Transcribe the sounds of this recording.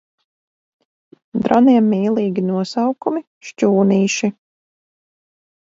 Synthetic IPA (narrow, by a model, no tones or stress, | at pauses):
d̪ɾaniɛmːiːlˠiːɡʲinuɔsawkumi | ʃcuːniːʃi